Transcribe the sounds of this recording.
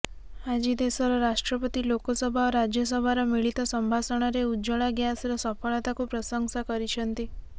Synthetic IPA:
ad͡ʒid̪esɔɾɔɾaʃʈɾɔpɔt̪ilokɔsɔbʱaoɾad͡ʒjɔs̬ɔbʱaɾɔmiɭit̪ɔsɔmbʱasɔɽ̃ɔɾeud͡ʒɔɭaɡjasɾɔsɔpʰɔɭat̪akupɾɔsɔŋsakɔɾit͡ʃʰɔnt̪i

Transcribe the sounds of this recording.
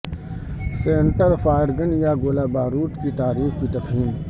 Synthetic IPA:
seːɳʈəɾfaːɪɾɡənjaɡoːlaːbaːɾuːʈkit̪aːɾiːxkit̪ɐfɦiːn

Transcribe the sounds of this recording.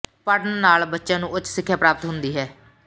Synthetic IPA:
pəʈnnaːlbətːʃãːnũːʊtːsɪkʰːjaːpɾaːpət̪ɦʊnd̪iːɦɛː

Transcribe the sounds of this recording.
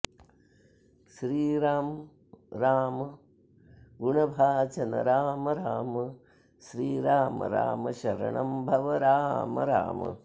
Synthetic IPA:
ʃɾiːɾaːm | ɾaːmɐ | ɡuɳɐbʱaːt͡ʃɐnɐ̰ɾaːmɐɾaːmɐ | ʃɾiːɾaːmɐ̰ɾa̰ːmɐʃɐɾɐ̰ɳɐmbʱɐʋɐɾaːmɐ̰ɾa̰ːmɐ̰

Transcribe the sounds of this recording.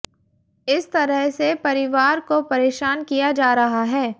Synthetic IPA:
ɪst̪ɐɾəɦsepɐɾɪʋaːɾkopɐɾeːʃaːnkijad͡ʒaːɾɐɦaɦɛː

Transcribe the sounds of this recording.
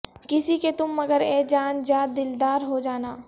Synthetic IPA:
kɪsiket̪ʊmːɐɡəɾeːd͡ʒaːnd͡ʒjaːd̪ɪld̪aːɾɦod͡ʒaːnaː

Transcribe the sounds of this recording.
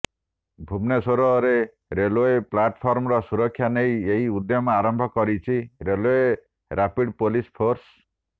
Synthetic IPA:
bʱubnesoɾɔɾe | ɾeloeplaʈpʰɔɾmɔɾɔsuɾɔkʰːjanejeɦiud̪jɔmɔaɾɔmbʱɔkɔɾit͡ʃʰiɾeloe | ɾapiɖpolispʰoɾs

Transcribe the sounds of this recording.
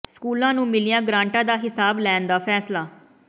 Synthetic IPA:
skuːlãːnũːmɪlijãːɡɾãːɳʈãːd̪aːɦɪsaːblɛːnd̪aːpʰɛːslaː

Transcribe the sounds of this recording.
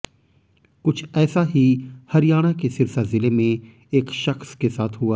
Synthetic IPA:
kʊt͡ʃʰɛːsaɦihɐɾijaːɽ̃akesɪɾsazɪlemẽ | eːkʃɐxskesaːt̪ʰɦʊaː

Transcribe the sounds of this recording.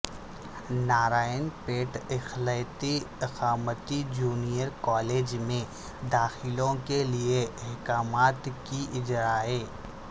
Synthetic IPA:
naːɾaːənpeːʈɪxləjt̪iɪqaːmət̪id͡ʒuːnijəɾkɔːleːd͡ʒmẽ | d̪aːxɪlõkelieɛɦkaːmaːt̪kiʔɪd͡ʒɾaːeː

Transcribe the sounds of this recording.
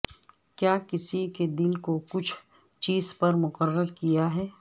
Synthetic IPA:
kjaːkɪsiked̪ɪnkokʊt͡ʃʰ | t͡ʃiːzpɐɾmʊqəɾːəɾkijaɦɛː

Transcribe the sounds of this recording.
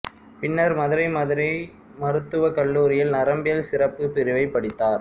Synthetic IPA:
pɪnːɐɾmɐðɯɾɐɪmɐðɯɾɐɪ | mɐɾɯt̪ːɯʋɐkɐɭːuːɾɪjɪlnɐɾɐmbɪjɐlsɪɾɐpːɯpɪɾɪʋɐɪpːɐɽɪt̪ːaːɾ

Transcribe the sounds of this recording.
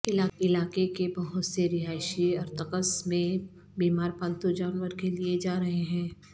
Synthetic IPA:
ɪlaːɪlaːkekebɐɦʊt̪seɾɪɦaːʃiɐɾt̪ɐkəsmẽ | biːmaːɾpə̃nt̪ud͡ʒaːnʋəɾkelied͡ʒaːɾɐɦeɦɛ̃ː

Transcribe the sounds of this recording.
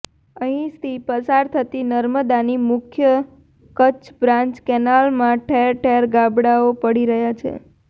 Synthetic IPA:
əɦĩst̪ʰipəsaɾt̪ʰət̪inəɾməd̪animʊkʰjə | kət͡ʃbɾãɲt͡ʃkɛnalmãʈʰɛɾʈʰeɾɡabɽaopəɽiɾəɦjat͡ʃʰḛ

